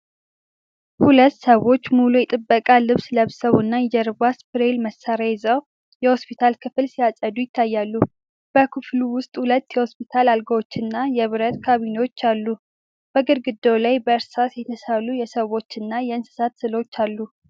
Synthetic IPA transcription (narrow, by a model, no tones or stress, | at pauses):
hulət̪ːsəwo̞t͡ʃːmulujɛt̪ʼɨbːəkʼalɨβsləβsəβunːad͡ʒəɾβaspɨɾelməsːaɾajzəw | jɛho̞spʰit̪ʰalkʰɨfɨlsijasʼəd̪ujɪt̪ʰːajːalːu | b̥əkʰɨfluwʊst̪ʼhulət̪ːjɛho̞spʰit̪ʰalalɡəwo̞t͡ʃːɨnːajɛβɨɾət̪kʰaβinewo̞t͡ʃːalːu | b̥əɡɨɾɡɨd̪ːowlajbəɨɾsasjɛt̪ʰəsalujɛsəwo̞t͡ʃːɨnːajɛɨnsɨ̥sat̪sɨlo̞t͡ʃːalːu